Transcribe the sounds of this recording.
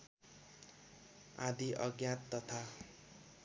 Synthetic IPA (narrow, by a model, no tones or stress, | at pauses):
ãd̪iʔʌɡjãt̪ːʌt̪ʰa